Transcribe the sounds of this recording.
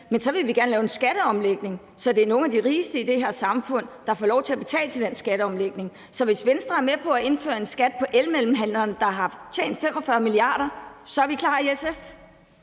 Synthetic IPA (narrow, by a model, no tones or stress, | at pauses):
mensɒ̽ʋe̝lʋiɡ̥æɐnəlɛːʊensɡ̥æɾ̥əɒ̽mleɡ̥ne̝ŋ | sɒ̽d̥e̝æɐno̝ːn̩æd̥iʁiːsd̥əid̥e̝ɦæɐ̰sɑ̈mfɔ̽n̰d̥ɑ̈fɒːlɒʊt͡sʰe̝æb̥e̝t͡sʰɛ̰ːlət͡sʰe̝ld̥ensɡ̥æɾ̥əɒ̽mleɡ̥ne̝ŋ | sɒ̽ʋe̝sʋensd̥ʁɐæɐmepʰɒ̽æe̝nfø̰ːɐe̝nsɡ̥æd̥̚pʰɒ̽ʔelmelm̩ɦæn̰lɐːnd̥ɑ̈ɦɑ̈t͡ɕʰḛːnd̥fem̰ɒ̽fɶɐmiliɑ̈ːɾɐsɒ̽æɐʋikʰlɑ̰̈ːesef